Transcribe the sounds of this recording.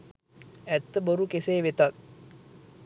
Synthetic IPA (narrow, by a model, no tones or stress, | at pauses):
æt̪ːəboɾukeseːʋet̪at